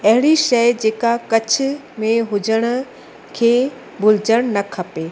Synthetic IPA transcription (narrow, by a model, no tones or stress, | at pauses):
ɐɦɪɽ̃iʃɐjd͡ʑeːkakɐt͡ɕʰɪ̆ | mẽɦʊd͡ʑəɽ̃ʊ̆ | kʰeː | bʱʊlɪd͡ʑəɽ̃nɐkʰɐpeː